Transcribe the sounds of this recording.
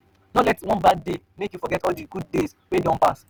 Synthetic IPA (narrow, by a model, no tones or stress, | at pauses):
nɔlɛtwɔ̃nbad̚de | mekjufɔɡɛtɔdiɡud̚des | wedɔ̃npa̰s